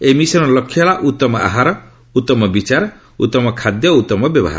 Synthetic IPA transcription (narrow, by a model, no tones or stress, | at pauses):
emisɔnɔlɔkʰːjɔɭaʔut̪ːɔmɔa̰ɦaɾɔ | ut̪ːɔmɔbit͡ʃaɾɔ | ut̪ːɔmɔkʰad̪jɔut̪ːɔmɔbjɔbɔ̰ɦa̰ɾ